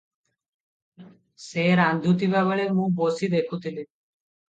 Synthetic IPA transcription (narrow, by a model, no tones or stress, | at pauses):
seɾand̪ʱjut̪̬ibaβeɭemũbosid̪ekʰut̪ʰili